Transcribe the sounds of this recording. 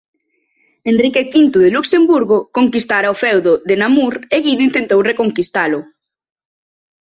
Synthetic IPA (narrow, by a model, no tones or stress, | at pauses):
enrikekint̪ʊðeluksembuɾɣokoŋkist̪aɾaofɛwðoðenamuɾeɣiðoint̪ent̪owrekoŋkist̪alʊ